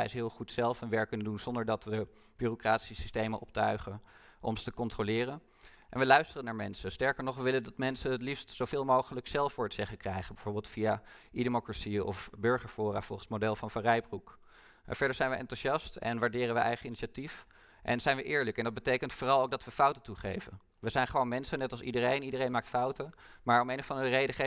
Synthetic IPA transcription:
ɛjsɦɪːlˠχutsɛlˠfənʋɛɹkːɵnəndunz̥ɔndəɹdɑtʋəə | b̥yːrokraːtsisistejməʔɔp̚tœɥχən | ʔɔ̰msə̥təkɔntrolɪːrən | ʔɛnʋəlœɥstərənaːɹmɛnsəstɛɹkəɹnɔχʋəʋɪləndɑtmɛnsənətlifstsowvɪːlˠmowχələksɛlˠfʊːɹətsɛχəkrɛjχənbɛv̥oːɹbɪːlˠtfija | idemokrasiɔ̰fbøɹχəɹfʊːra̰ːfɔ̰lˠχənsmodɛlˠfɑnfarɛjbruk | fɛɹdəɹzɛjnʋəʔɛ̰ntuʃɑstɛ̰nʋaːɹdɪːrənʋəʔɛ̰jχəiniʃatif | ʔɛ̰nz̥ɛjnʋəʔɪːɹləkɛndɑd̚bətejkəntfoːrɑlˠowk̚dɑtʋəfʌwtətuχḛjvə̰n | ʋəzɛjnχəʋownmɛnsənɛtɑlˠsidəɾejnidərejnmaːk̚tfɑwtəmaːɹɔmejnəfɑndərərejdəχe

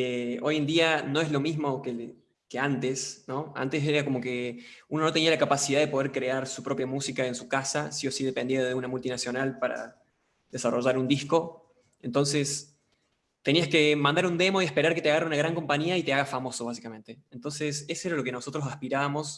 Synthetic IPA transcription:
eo̞je̞nd̪iano̞e̞zlo̞mizmo̞ke | ke̞ant̪e̞sno̞a̰nt̪e̞seɾako̞mo̞ke̞uno̞no̞t̪eialakapasiðaðepo̞ð̞eɾkɾe̞aɾsupɾo̞pjamusikaensukasasio̞siðe̞pe̞nd̪eaðeunamult̪inasjo̞nalpaɾa̰ | ðesaro̞ʒaɾund̪ihsko̞ | ent̪o̞nse̞s | t̪e̞niaske̞mãnd̪aɾund̪e̞mo̞ie̞spe̞ɾaɾke̞t̪eaɣaɾaunaɣɾaŋko̞mpaɲiait̪eaɣafamo̞so̞β̞as̬i̥kamẽ̞nt̪e̞ent̪o̞nse̞sesoe̞ɾalo̞ke̞no̞so̞t̪ɾo̞s̬aspiɾaβamo̞s

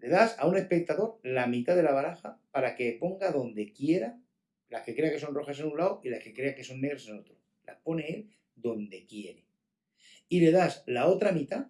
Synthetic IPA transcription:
le̞ðasaune̞spe̞k̚t̪aðo̞ɾlamĩt̪aðe̞laβaɾaxapaɾake̞po̞ŋɡaðo̞nd̪e̞kje̞ɾa | lahke̞kɾe̞akeso̞nro̞xasenũnlawilaske̞kɾe̞ake̞so̞nːe̞ɣ̞ɾaseno̞t̪ɾo | la̰hpo̞ne̞el | d̪o̞nd̪e̞kje̞ɾe̞ | ile̞ðaslao̞t̪ɾamit̪a

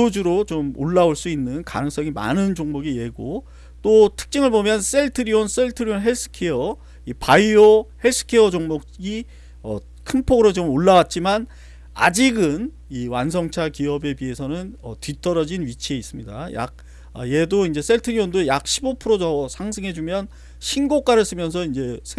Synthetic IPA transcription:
od͡ʑuɾot͡ɕomo̰ɭːaoɭs͈uinːɯnka̰nɯŋs͈ʌŋima̰nɯnd͡ʑoŋmoɡije̞ɡo | t͈otʰɯ̥k̚t͡ɕ͈ɯŋɯɭbomjʌns͈e̞ɭtʰɯɾiwʌns͈e̞ɭtʰɯɾionɦe̞sʰɯ̥kʰeʌ | ipaiʌhesʰɯ̥kʰeʌd͡ʑoŋmokɡi | ʌ | kʰɯmpʰoɡɯɾot͡ɕomoɭːawat̚t͡ɕ͈iman | a̰d͡ʑiɡɯn | iwansʰʌŋt͡ɕʰakiʌbe̞pie̞sʰʌnɯnʌtɥit͈ʌɾʌd͡ʑinɥit͡ɕʰie̞is͈ɯmɲida̰ja̰k̚ | ʌje̞doind͡ʑe̞s͈e̞ɭtʰɯɾiwondojak̚ɕ͈ʰibopʰɯɾod͡ʑʌsʰaŋsʰɯŋɦe̞d͡ʑumjʌn | ɕʰinɡok͈aɾɯɭs͈ɯmjʌns̬ʰʌind͡ʑe̞sʰ

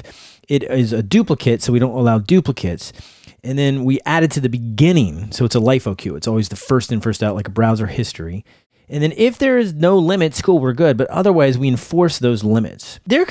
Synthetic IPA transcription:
ɪɾɪzɨdʉpləkʰɨtsoʊwiɾõʊ̃ntəlaʊdʉpləkʰɨts | ɨ̃nðɨ̃nwiʔæɾɨd̚tʰɨðɨbɨɡɪ̃nɪ̃ŋsoʊətsəlaɪfoʊkʰjʉɨtsɔlˠwizðɨfɜ˞stɨ̃nfɜ˞staʊʔlaɪkəbɹaʊzə˞hɪstɹ̥i | ɨ̃nðɨ̃nɪfðə˞ɪznoʊlɪ̃mɨtskʰulˠwə˞ɡʊd̚bʌɾʌ̰ðə˞waɪzwiɨ̃ɱfɔɹsðoʊzlɪ̃mɨ̰tsðə˞

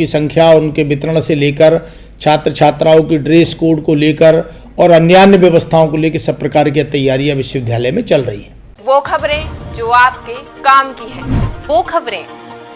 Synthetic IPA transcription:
isɐ̃ŋkʰjaʊnkebɪt̪ɾəɽ̃seleːkəɾ | t͡ʃʰaːt̪ɾət͡ʃʰaːt̪ɾaːõkiɖɾeːskoːɖkoleːkəɾ | ɔːɾɐnjaːnjəʋjɐʋəst̪ʰaːõkoleːkəɾsɐb̚pːɾɐkaːɾkijat̪ɐjːaːɾijaʋɪʃəʋɪd̪ʱjaːləmẽt͡ʃɐlɾɐɦḭɦɛː | ʋoːkʰɐbɾẽd͡ʒoːaːp̚ke | kaːmkiɦɛ̃ːʋoːkʰɐbɾẽː

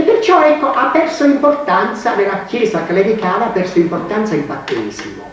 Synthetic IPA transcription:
epːɪrt͡ʃɔɛkːoʔapːɛrsoimport̪ant̪sanɪlːakjɛːsakɪlɛd̪ikaːvaːpːɛrsoimpɔrt̪ant̪saimbat̪ːɛːzimʊ

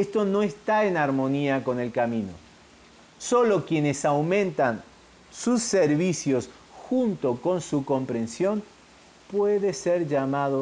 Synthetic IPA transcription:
est̪ono̞est̪aenaɾmo̞niako̞ne̞lkamĩno̰ | so̞lokje̞nesawmẽnt̪an | susːeɾβisjo̞s | xunt̪o̞ko̞nsuko̞mpɾẽ̞nsjo̞n | pweðeseɾʒamaðo

